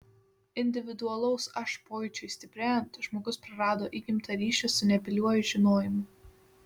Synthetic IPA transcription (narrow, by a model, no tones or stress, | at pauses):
ɪnʲd̪ʲɪʋʲɪd̪ʊɐlˠɔʊsɐʃpoːjt͡ʃʲʊɪsʲt̪ʲɪpʲɾʲæːjɛnʲt̪ʲʒmoːɡʊspɾɐɾɑːd̪oːʔiɡʲɪmʲt̪ʰɐɾʲiːʃʲɛsʊnʲɛpʲɪlʲuɔjʊʒʲɪnoːjɪmʊ